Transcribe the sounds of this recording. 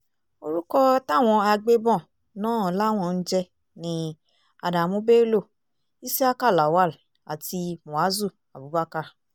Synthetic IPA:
o˧ɾu˦kɔ˦ta˦˨w̃ɔ̃˧a˧ɡ͡be˦bɔ̃˦˨ | nãː˦˨˦la˦w̃ɔ̃˦˧˨n̩˦d͡ʒɛ˧ | nĩ˧ | a˨da˨mũ˦be˦lo˦˨ | i˦si˦a˦ka˦˨la˨wa˦l | a˨ti˧mũ˨a˨˦zu˦˨ | a˨bu˨˦ba˦ka˧

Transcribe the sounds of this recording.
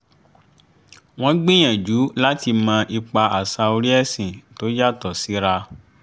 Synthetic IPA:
w̃ɔ̃˦ɡ͡bĩ˦j̃ã˨d͡ʒu˨˦la˦ti˧mãː˧ʔi˧k͡pa˧a˨sa˧o˧ɾi˦ɛ˦˨sĩ˨to˨˦d͡ʒa˦˨tɔ˨si˨˦ɾa˧

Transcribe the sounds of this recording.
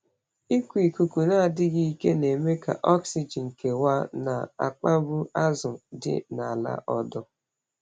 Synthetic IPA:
i˦kʷi˨ku˨ku˨na˦˨dɪ˦ɡi˦i˦ke˦ne˨me˦ka̰˨ʔɔ˦ksi˨d͡ʒi˨ŋ̩˨ke˨wa˦na̰˨a̰˨k͡pa˦bu˦a˦zʊ˨dɪ̰˦na˨la̰˦ʔɔ˦dʊ˦

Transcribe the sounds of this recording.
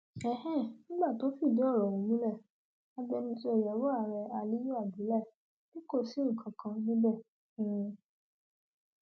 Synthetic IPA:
ɛ˦hɛ̃˦˨nĩ˦ɡ͡ba˦˨to˨˦fi˦˨di˨˦ɔ˦˨ɾɔ˨wũ˨˦mũ˦lɛ˦˨ | a˦ɡ͡bɛ˧nĩ˧˦so˧e˨jɛ˨˦wɔ˦a˦˨ɾɛ˧a˧li˦jo˦a˦˨di˨˦lɛ˦˨ | nĩ˦ko˦˨si˨˦ŋ̩˨kʰã˨kʰã˧nĩ˦bɛ̃˦˨˦

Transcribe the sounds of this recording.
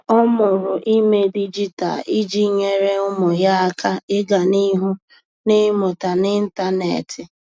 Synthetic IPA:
ɔ˦mʊ˨ɾʊ˨ʔi˦me˦di˦d͡ʒi˦ta̰˨i˦d͡ʒi˦ɲe˦ɾe˦ʊ˦mʊ˨ɦja˦a˦kʰa˦ɪ˦ɡa˨ni˦ɦʊ˦ | nɪ˦mʊ˨ta˨nɪ˦n̩˦ta˦nḛ˨tʰɪ˨

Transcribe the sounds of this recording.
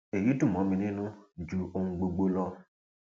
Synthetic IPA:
e˨ji˨˦tu˦˨mɔ˨˦mĩ˨nĩ˦nʊ̃˦d͡ʒu˨ʔo˨ŋ̩˨ɡ͡bo˨ɡ͡bo˦lɔ˦

